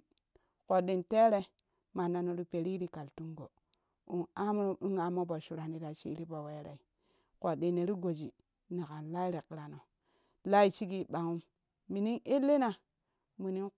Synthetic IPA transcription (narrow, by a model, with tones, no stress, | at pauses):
ko˨di˨nte˦ɾe˦ | ma˨nːa˨no˨ɾu˦pe˨ɾi˦ɾi˦ka˨ltu˦ŋɡo˨ | u˨ŋa˦m˦ɾu˦ŋa˨mo˦bo˨ʃu˨ɾa˨ni˨ɾa˨t͡ʃḭ˦ɾi˦bo˨we˦ɾḛ˨i˨ | ko˨di˨nːe˨ɾi˦ɡo˨d͡ʒi˨ | na˨ka˨nla˦i˦ɾe˨ki˨ɾa˨no˨ | la˦i˨t͡ʃi˦ɡi˦˨ɓa˨ŋu˦mː | i˨ni˦ŋe˦lːe˦na˨ | mi˨ni˦n